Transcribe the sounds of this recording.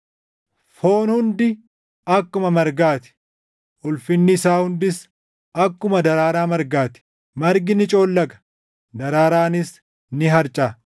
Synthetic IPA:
fo̞ːnhʊnd̪ɪ | ɐkːʊmɐmɐɾɡaːt̪ɪ̥ | ʔʊlfɪnːɪsaːhʊnd̪ɪs | ɐkːʊmɐd̪ɐɾaːɾaːmɐɾɡaːt̪ɪ̥ | mɐɾɡɪnɪt͡ʃʼo̞ːlːɐɡɐ̥ | d̪ɐɾaːɾaːnɪs | nɪɦɐɾt͡ʃʼaː

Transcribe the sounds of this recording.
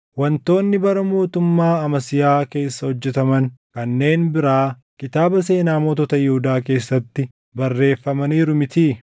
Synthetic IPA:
wɐnt̪o̞ːnːɪbɐɾɐmo̞ːt̪ʊmːaːɐmɐsɪjaːke̞ːsːɐhɔd͡ʒːɛt̪ɐmɐŋkɐnːe̞ːnbɪɾaː | kɪt̪aːbɐse̞ːnaːmɔːt̪ɔt̪ɐjɛhʊd̪aːk̬e̞ːsːɐt̪ːɪ | bɐrːe̞ːfːɐmɐniːɾʊmɪt̪iː

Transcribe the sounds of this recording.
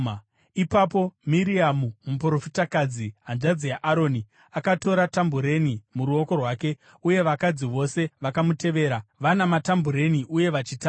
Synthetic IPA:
ipapo̞miɾiamumupro̞fitakad͡ziɦanʐad͡zijaʔaɾo̞ːni | akato̞ɾatambuɾe̞nimuɾuo̞ko̞rwaːke̞ | uje̞ʋakad͡ziʋo̞se̞ʋakamute̞ʋe̞ːɾaʋanamatambuɾe̞niʔuje̞ʋat͡ʃita

